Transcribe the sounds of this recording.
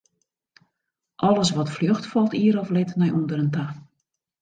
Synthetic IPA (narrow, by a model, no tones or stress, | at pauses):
ʔɔlˠəsʋɔtfljøxtfɔlˠtiəɾɔflɪtnɛjʔundəɾənta